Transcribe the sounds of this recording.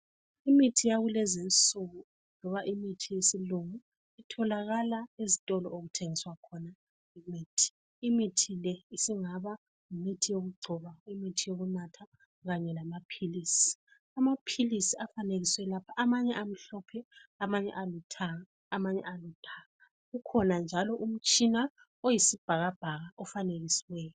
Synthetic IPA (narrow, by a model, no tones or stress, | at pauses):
imitʰijaɣulɛzint͡sʼuɣu | lɔβaʔimitʰijesiluŋu | itʰɔlaɣalaezitʼɔlɔ̰oɣutʰeŋiswakʰɔna | imiːtʰi̥ː | mitʰilɛisiŋaβa | ŋimitʰijoɣuɡ͡ǀʱɔβaimitʰijoɣunatʰa | ɣaɲɛlamapʰilisi̥ | amapʰilisiafaneɣiswɛlapʰaʔamaɲɛam̩ɬɔpʰɛamaɲɛ̰ʔalutʰaɣaːmaɲɛ̰alutʰaŋa | ɣukʰɔnand͡ʒʱalɔʔum̩t͡ʃʼina | ojisib̥ʱaɣab̥ʱaɣaʔɔfaneɣisiwɛjɔ